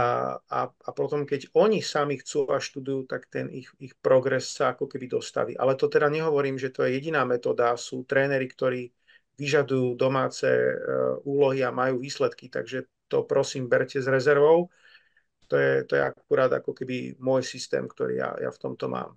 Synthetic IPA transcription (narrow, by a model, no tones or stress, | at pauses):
a̰apɔt̪ɔmkɛɟɔɲisamixt͡suaʃt̪ud̪ujuːt̪akt̪ɛnixixpɾɔɡɾɛsːaakɔkɛbid̪ɔst̪a̰ʋḭʔa̰lɛt̪ɔt̪ɛd̪aɲɛɦɔʋɔɾiːmʒɛt̪ɔjɛjɛɟinaːmɛt̪ɔːd̪asuːt̪ɾɛːnɛɾikt̪ɔɾiː | ʋiʒad̪ujuːd̪ɔmaːt͡sɛ̰ːuːlɔɦiamajuːʋiːslɛt̪kit̪a̰ɡʒɛ | t̪ɔpɾɔsiːmbɛɾcɛzɾɛzɛɾʋɔʊ | t̪ɔjɛt̪ɔjɛ̰akuɾaːd̪a̰kɔkɛbḭmʊɔjsist̪ɛ̰ːmkt̪ɔ̰ɾḭːja̰ja̰ft̪ɔmt̪ɔmʔa̰ːm